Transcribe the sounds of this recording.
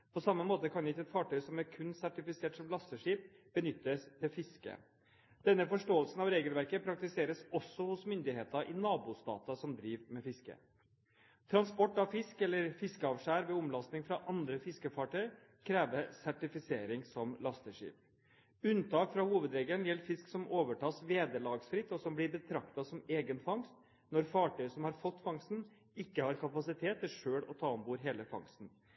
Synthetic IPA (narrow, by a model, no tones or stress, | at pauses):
pʰɔsɑmːəmoːt̪əkʰɑnɪt̪ɛt̪fɑːʈʰœʏsɔmæɾkʰʉnsæʈɪfɪseːʈsɔmlɑst̪əʂiːp̚b̥ənʏt̪ːəst̪ʰɪlfɪskə̰ | d̪̥ɛnːəfɔʂʈoːəlsnɑʋɾeːɡəlʋæɾkəpʰɾɑk̚t̪ɪseːɾəsɔsːɔhʊsmʏnd̪ɪheːt̪əʔɪnɑːbuːst̪ɑ̰ːt̪ɑsɔmd̪ɾiːʋmɛfɪskə̰ | t̪ʰɾɑnspɔʈːɑʋfɪskɛlːəɾfɪskəɑːʋʂæːɾʋɛʊmlɑst̪nɪŋfɾɑʔɑnd̪ɾəfɪskəfɑːʈʰœʏəɾ | kʰɾeːʋəsæʈɪfɪseːɾɪŋsɔmlɑst̪əʂḭːp | ʉnt̪ʰɑːkfɾɑhuːʋəd̪ɾɛːɡənjɛlːfɪsksɔmoːʋəʈʰɑːsʋeːd̪əlɑːɡsfɾɪt̪ːɔsɔmblɪɾbət̪ʰɾɑkt̪ɑsɔmeːɡənfɑŋst̪ | nɔɾfɑːʈʰœʏəsɔmhɑɾfɔt̪ːfɑŋst̪n̩ | ɪkːəhɑːɾkʰɑpɑsɪt̪ʰeːt̪ːɪʂøːɽɔt̪ʰɑːɔnbuːɾɦeːləfɑ̰ŋst̪n̩